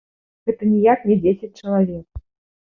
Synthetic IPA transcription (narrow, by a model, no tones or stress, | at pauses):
ɣɛt̪ɐnʲijaknʲɛd͡zʲesʲɪt͡sʲt͡ʂɐlˠavʲek̚